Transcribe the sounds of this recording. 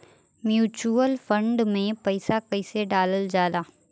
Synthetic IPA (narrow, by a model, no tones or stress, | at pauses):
mjuːt͡ʃuəlfə̃ɳɖmẽpɐɪsakɐɪseɖaːləld͡ʒaːlaː